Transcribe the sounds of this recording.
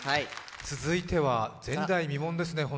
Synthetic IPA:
t͡sɨzɨit̪e̞βad͡zẽ̞nd̪aimʲimõ̞nd̪e̞sɨne̞ɦõ

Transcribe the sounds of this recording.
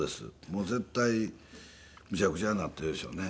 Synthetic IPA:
d̪e̞sɨ̰moːzẽ̞t̪ːai | mɯ̟t͡ɕakɯ̟t͡ɕanat̪ːe̞ɾɯ̟d̪eɕo̞̰ːne̞

